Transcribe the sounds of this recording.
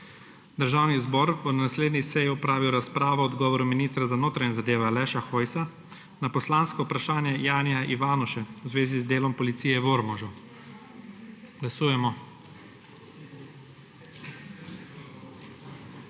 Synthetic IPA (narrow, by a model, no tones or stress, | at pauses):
d̪əɾʒaːwnizbɔːɾunanasleːd̪nisɛjiupɾaːʋiwɾaspɾaːʋɔɔd̪ɡɔːʋɔɾuminist̪ɾazanoːt̪ɾaɲɛzad̪eːʋalɛʃaxoːjsa | napɔslaːnskɔupɾaʃaːnjɛjaːniaʔiʋaːnɔʃɛwzʋeːzizd̪eːlɔmpɔlit̪siːjɛʋoɾmɔʒɔ | ɡ̥lasuːjɛmɔ